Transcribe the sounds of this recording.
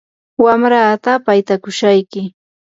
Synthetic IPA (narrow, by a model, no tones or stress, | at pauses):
wamɾaːt̪apajt̪akʊʃajkɪ